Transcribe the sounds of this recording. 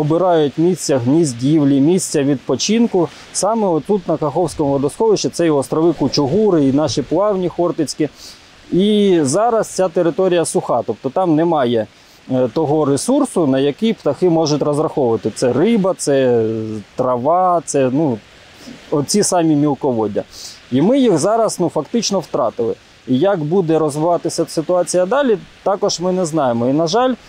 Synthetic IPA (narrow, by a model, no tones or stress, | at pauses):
ɔbɪɾɑjʊtʲmʲisʲt͡sʲɐɦnʲizʲdʲiwlʲimʲisʲt͡sʲɐʋʲid̪̚pɔt͡ʃinkʊ | sɑmɛɔt̪ːut̪nɐkɐxɔwsʲkɔmʊʋɔd̪ɔsxɔʋɪʃt͡ʃɛt̪sɛjɔɔst̪ɾɔʋɪkʊt͡ʃʊɦuɾɪinɑʃiplˠɑwnʲixɔrt̪ɪt͡sʲkɪ | izɑɾɐst͡sʲat̪eɾɪt̪ɔɾʲijɐsʊxɑt̪ɔp̚t̪ɔt̪ɑmnɛmɑjɛ | t̪ɔɦɔɾesursʊnɐjɐkipt̪ɐxɪmɔʒʊtʲrɔzrɐxɔʋʊʋɐt̪ɪt̪sɛrɪbɐt̪sɛ | t̪ɾɐʋɑt̪sɛnu | ɔt͡sʲisɑmʲimʲilˠkɔʋɔdʲɐ̰imɪjixzɑɾɐsnufɐkt̪ɪt͡ʃnɔwt̪ɾɑ̰t̪ɪlˠɪ | ijɐkbud̪ɛɾɔzʋɪʋɑt̪ɪsʲɐsɪt̪ʊɑt͡sʲijɐd̪ɑlʲit̪ɑkɔʒmɪnɛznɑjemɔinɐʒɑlʲ